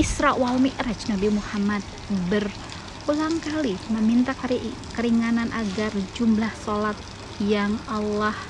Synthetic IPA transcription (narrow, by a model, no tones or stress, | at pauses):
isɾaʔwalmirat͡ʃnabimuhamat̪̚ | bər | ulaŋkaliməmint̪ak | kəɾiŋananʔaɡard͡ʒumlahsolat̪̚ | jaŋalah